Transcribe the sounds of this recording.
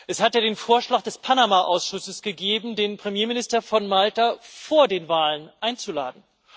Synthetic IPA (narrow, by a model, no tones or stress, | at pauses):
ʔɛshatjaːdeːnfoːɐʃlaːχd̥ɛspʰanamaʔaʊsʃʊsəsɡ̥əɡeːbm̩deːnpʁ̥emjeːmɪnɪstɐfɔnmaltafoːɐdeːnvaːlənʔaɪnt͡sula̰ːdn̩